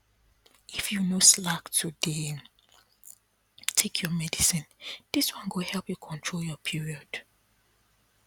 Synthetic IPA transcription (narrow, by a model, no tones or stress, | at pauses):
ifjunoslaktʰude | tʰekʰjɔmɛdisĩnd̥iswɔ̃nɡohɛlˠpjukʰɔ̃ntʰɹoljɔpʰiɹiɔd̥